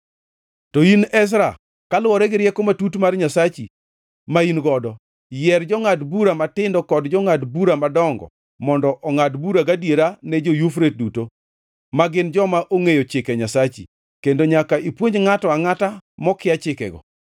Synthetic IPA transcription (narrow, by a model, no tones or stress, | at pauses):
toinɛs̬ɾa | kalwɔɾɛɡɪɾjɛkomatutmarɲasat͡ʃi | mainɡɔdɔ | jɛrd͡ʒɔŋatbuɾamatɪndɔkɔdd͡ʒɔŋatbuɾamadɔŋɡɔ̰ | mɔndɔʔɔŋatbuɾaɡadjeɾanɛd͡ʒojufɾet̚duto | maɡɪnd͡ʒɔmaʔoŋejot͡ʃɪkɛɲasat͡ʃḭ | kendoɲakaʔipwoɲd͡ʒŋatɔaŋatamɔkɪat͡ʃɪkɛ̰ɡɔ̰